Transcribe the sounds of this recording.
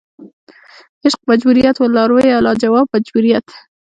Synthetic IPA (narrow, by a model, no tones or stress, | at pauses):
ɪʃq̚mad͡ʒbuɾijat̪walɑɾwojalɑd͡ʒawɑb̚mad͡ʒbuɾijat̪